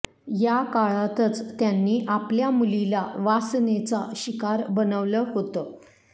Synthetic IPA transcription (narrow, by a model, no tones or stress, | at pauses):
jakaɭat̪ət͡st̪janːiːʔapljamulilaʋasnet͡sa̰ɕikaɾbənəʋləɦot̪ə